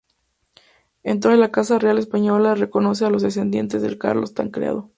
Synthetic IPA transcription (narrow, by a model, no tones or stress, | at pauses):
ent̪ɾoelakasarealespaɲo̞lare̞ko̞no̞s̬ealo̞zðes̬e̞nd̪je̞̰nt̪e̞zðe̞̰lka̰ɾlo̞st̪a̰ŋkɾḛa̰ð̞o